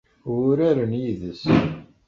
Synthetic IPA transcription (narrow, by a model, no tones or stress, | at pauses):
ʊɾæɾənjiðəs